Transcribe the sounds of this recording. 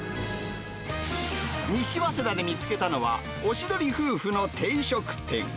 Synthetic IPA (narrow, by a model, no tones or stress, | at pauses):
ɲ̟iɕiβased̪ad̪emʲit͡sɨ̥ke̞t̪ano̞βa̰ | o̞ɕid̪o̞ɾʲiɸɯ̟ːɸɯ̟no̞t̪ʰe̞iɕo̞kɯ̟̥t̪ːẽ̞̰ŋ